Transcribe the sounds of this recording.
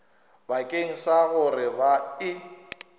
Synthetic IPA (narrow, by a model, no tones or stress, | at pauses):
bakʼeŋ̩saɣʊrɪbaɪ